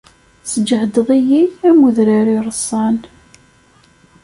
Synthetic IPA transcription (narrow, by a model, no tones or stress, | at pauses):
səd͡ʒʕd̪əðˤijiæmuðɾaɾiɾˤəsˤːɑn